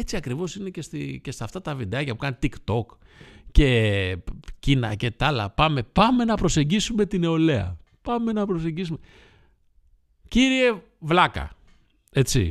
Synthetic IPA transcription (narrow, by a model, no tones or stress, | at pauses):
et͡siɐkɾivo̞sinecest̪ice̞st̪ɐft̪ɐt̪ɐvid̪eɐcɐpukɐnit̪ikt̪o̞k | ce̞ | cinɐcet̪ɐlɐ̰pɐme̞pɐme̞nɐpɾo̞se̞ɲɟisume̞t̪ine̞o̞le̞ɐ̰ | pɐme̞nɐpɾo̞s̬e̞ɲɟis̬ume | ciɾie̞ | vlɐkɐ̰ | e̞t͡sḭ